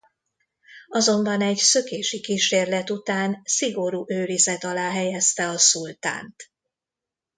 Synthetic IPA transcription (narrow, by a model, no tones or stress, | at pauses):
ɒzo̞mbɒnɛɟsø̞keːʃikiːʃeːrlɛt̪ut̪aːnsiɡo̞ɾuːʔøːɾizɛt̪ɒlaːɦɛjɛst̪ɛɒsult̪a̰ːnt̪